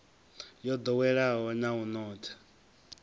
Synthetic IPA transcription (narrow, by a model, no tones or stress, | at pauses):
jɔd̪ɔwɛɺaɦɔnaunɔːtʰḁ